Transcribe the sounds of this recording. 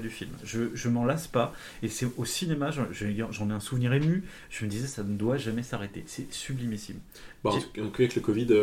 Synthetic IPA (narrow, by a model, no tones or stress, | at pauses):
d̪yfilmʒəʒəmɑ̃laspa | esɛosinemaʒɑʒ̃ʒɑ̃nɛɛ̃suvniʁemy | ʒ̥əməd̪izɛsanəd̪waʒamɛsaʁet̪esɛsyblimisḭm | bãɑ̃kyavɛkləkɔvid̪ø